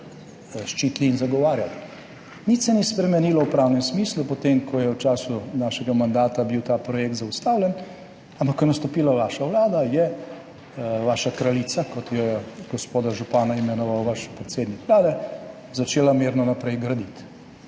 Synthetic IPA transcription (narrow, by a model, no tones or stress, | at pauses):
ʃt͡ʃiːt̪liːnzaɡɔʋaːɾjal | nit̪sɛnispɾɛmɛniːlɔwpɾawnɛmsmiːslupɔt̪emkʰɔjɛwt͡ʃaːsunaːʃɛɡamand̪aːt̪abiwt̪aːpɾɔjek̚t̪zaust̪aːwlʲɛn | ampɐkːɔjɛnast̪ɔpiːlaʋaːʃaʋlaːd̪ajɛ | ʋaːʃakɾalit̪sakɔt̪jɛɡ̥ɔspoːd̪aʒupaːnaimɛnɔʋawʋaʃpɾɛt̪seːd̪nikʋlaːd̪ɛ | zat͡ʃeːlameːɾnɔnapɾɛjɡɾɐd̪it̪